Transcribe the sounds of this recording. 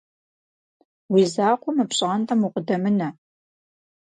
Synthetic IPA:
wiːzaːqʷʊmɨpɕʼʁɐntʰɐmuqʷʼʊdɐmɨnɐ

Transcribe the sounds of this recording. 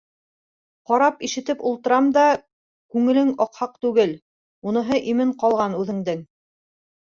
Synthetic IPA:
qɑɾɑpiʃɘ̆t̪ɘpulˠt̪ɤ̆ɾɑmd̪ɑ | kʉŋɘ̆lɘŋɑqhɑq̚t̪ʉɡɘl | unɤ̆ɦɤʔimɘɴqɑlˠʁɑnʉðɘ̆ŋd̪ɘŋ

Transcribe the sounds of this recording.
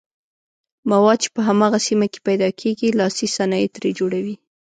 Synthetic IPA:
mawɑd̪̚t͡ʃe̥pəɦamɑɣasimake̥pajd̪ɑkʰeɡilɑsisanɑjet̪ɾed͡ʒoɽawi

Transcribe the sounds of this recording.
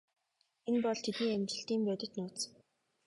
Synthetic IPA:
enpɔɮt̪ʰet̪niːæmt͡ɕɪ̆ɬt̪iːmpæːt̪ʲɪ̆t̪nʊːt̪sə̥̆

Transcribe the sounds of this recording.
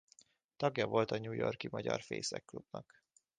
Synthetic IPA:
t̪ɒɡjɒvo̞lt̪ɒɲuːjo̞rkimɒɟɒrfeːsɛkːlub̥nɒk

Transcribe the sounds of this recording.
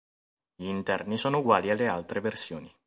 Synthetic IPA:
ʎiːnt̪ɛrnisoːnouɡwaːlialːealt̪ɾeversjoːni

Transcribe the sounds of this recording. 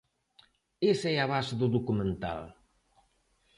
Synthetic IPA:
esɛaβaseðuðukumẽnt̪a̰l

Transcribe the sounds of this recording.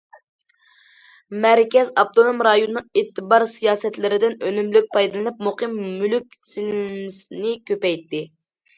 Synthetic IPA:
mæɾkʲɛzɑp̚t̪ʰonomɾɑjonnɨŋet̪ʰːɨbɑɾsijɑːsɛt̪lɪɾɪd̪ɪnønymlyk̚ʲpʰɑjd̪ɨlˠɨnɨp̚moqʰɨmːylyk̚ʲt͡ʃʰilmɪsnɪkʲʰøpɛjt̪ʰːɪ

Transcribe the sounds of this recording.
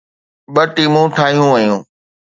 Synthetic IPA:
ɓɐʈiːmũʈʰaːɦijũʋɐjũː

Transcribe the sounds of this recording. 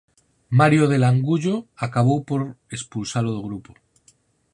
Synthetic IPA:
maɾjoð̞e̞laŋɡuʎo̞akaβ̞owpo̞ɾe̞spulsaloðoɣ̞ɾupo

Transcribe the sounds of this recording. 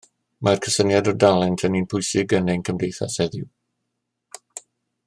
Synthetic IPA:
mʔarkʰəsənjadɔdalˠɛntʰəniːnpʰʊjsɪɡənɛnkʰəmdejθa̰sɛðɪw

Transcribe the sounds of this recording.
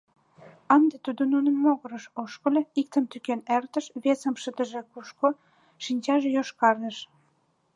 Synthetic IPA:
ɑnd̪et̪ud̪onunəmːoɣə̆ɾəʃoʃkə̆lʲeik̚t̪əmt̪ykenert̪ə̆ʃβesəmʃət̪əʒĕkuʃko | ʃinʲt͡ɕɑʒejoʃkɑrnəʃ

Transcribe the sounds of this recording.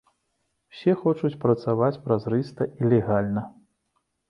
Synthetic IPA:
wsʲɛxɔt͡ʂut͡sʲpɾɐt̪savat͡sʲpɾazɾɨst̪ɐʔilʲɛɣalʲnɐ

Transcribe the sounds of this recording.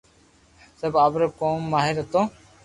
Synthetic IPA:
səbaːbɾəkoːmːaːɦɪɾət̪õː

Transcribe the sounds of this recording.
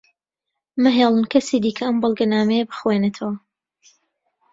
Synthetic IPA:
mɨɦeːlˠɨnkʰɐsiːd̪iːkʰɐɐmbɨlˠɡɐnaːmɛjɐbɨxwenet̪ʰɐwɐ

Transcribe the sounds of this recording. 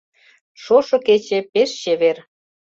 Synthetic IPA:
ʃoʃɤ̆ket͡ɕepeʃt͡ɕeβer

